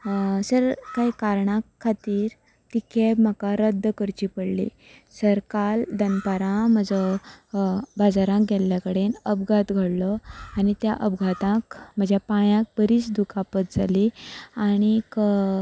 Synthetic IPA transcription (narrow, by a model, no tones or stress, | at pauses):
səɾkaikaɾɳãkʰːat̪iːɾ | t̪ikʰem̤akaɾəd̪ːkəɾt͡ɕiːpəɽlḭ | səɾkald̪ənpaɾãməd͡zɔ | bad͡zaɾãkɡʱɛlːjakəɽenəbɡʱat̪ɡʱəɽlɔaɽ̃it̪jaʔəbɡʱat̪ãkm̤əd͡ʑʱjapãjãk̚bəɾiːt͡sd̪ukapət̪̚d͡zʱaliaɽ̃ik